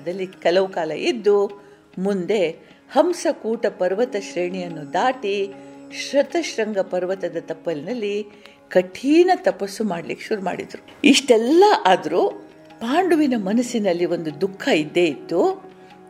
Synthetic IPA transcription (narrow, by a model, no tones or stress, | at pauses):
d̪ɐlːikɐlɐʋukaːlɐʔid̪ːu | mund̪e̞ | hɐmsɐkuːʈɐpɐɾʋɐt̪ɐʃɾeːɳijɐnːud̪aːʈiʃɾɐt̪ɐʃɾɐŋɡɐpɐɾʋɐt̪ɐd̪ɐt̪ɐpːɐlinɐlːi | kɐʈʰiːnɐt̪ɐpɐsːumaːɖɐlikːeʃuɾuma̰ːɽḭd̪ɐɾu | iʂʈɛlːɐʔaːd̪ɐɾu | paːɳɖuʋinɐmɐnɐsinɐlːiʋo̞nd̪ud̪ukʰːɐid̪ːe̞id̪ːu